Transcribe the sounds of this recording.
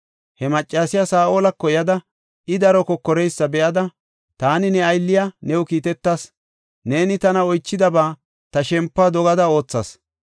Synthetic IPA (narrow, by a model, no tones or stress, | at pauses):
hɛmɐt͡ʃʼːaːsɪjasaːʔoːlɐkːɔjɐd̪ɐ | ɪd̪ɐɾɔkɔkːɔɾɛjsːɐbɛʔɐd̪ɐ | t̪aːnɪnɛɐjlːɪjanɛwʊkiːt̪ɛt̪ːas | ne̞ːnɪt̪ɐnɐɔjt͡ʃːɪd̪ɐbaː | t̪ɐʃɛmpːad̪ɔɡɐd̪ɐo̞ːt͡sːɐ̰s